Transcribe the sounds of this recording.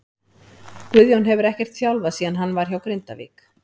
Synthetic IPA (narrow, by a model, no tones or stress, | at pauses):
kvʏðjɔnɦɛvʏɾɛhcɛr̥t̪θjawlvasiːðanɦanːvaɾ̥çawkɾejnt̪a̰vḭːk